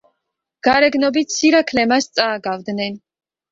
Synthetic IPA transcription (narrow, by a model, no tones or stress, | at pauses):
ɡ̥aɾɛɡnɔbit̪siɾakʰlɛmast̪sʼaːɡavd̪nɛn